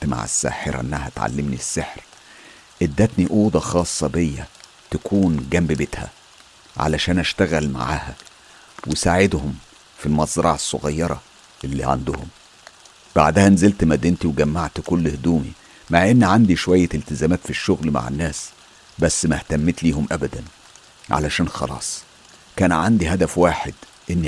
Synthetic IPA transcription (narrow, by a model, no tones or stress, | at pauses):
t̪ma̰ʕa̰sːæ̰ːħeɾæ̰ʔḛnːæhæt̪ʕa̰lːemnisːeħɾ | ʔed̪ːæt̪niʔuːd̪ɑxɑːsˤːɑbejːæ | t̪ækʰuːnɡæmbebet̪hæ̰ | ʕa̰læʃæːnæʃt̪æɣælma̰ʕaːhæ | wesaːʕed̪hom | filmɑzˤɾˤɑ̰ʕesːoɣɑjːɑɾˤɑ̰ | ʔelːḭʕa̰nd̪ʊhʊm | b̥a̰ʕd̪æhænzelt̪mæd̪ːent̪iweɡæmːaʕt̪kolːhd̪uːmḭ | maʕʔenːiʕand̪iʃowæjːæelt̪ɪzæːmæːt̪fiʃːoɣlma̰ʕḛnːæːs | bæsːmæht̪æmːet̪liːhomʔæbæd̪æn | ʕa̰læʃæːnxɑ̰lɑ̰ːsˤ | kæːnʕand̪iɦæd̪æfwaːħed̪ | ʔenː